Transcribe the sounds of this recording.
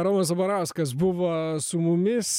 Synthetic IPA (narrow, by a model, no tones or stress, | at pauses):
ɾoːmɐsɐbɐɾɑˑʊskɐs̬bʊʋosʊmʊmʲɪs